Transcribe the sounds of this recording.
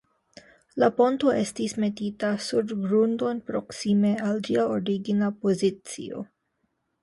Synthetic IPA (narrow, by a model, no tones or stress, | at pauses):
lapo̞nto̞ʔe̞stisme̞titasuɾɡɾundo̞npɾo̞ksime̞ald͡ʒiaoɾiɡinapo̞zit͡sḭo̞̰